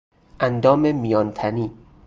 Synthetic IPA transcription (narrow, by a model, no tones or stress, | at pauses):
ʔænd̪ɒːmemijɒːnt̪ʰæniː